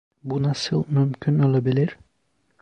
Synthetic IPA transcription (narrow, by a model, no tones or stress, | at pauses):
bunasɯlˠmymcʲʰyno̞lˠabilʲiɾ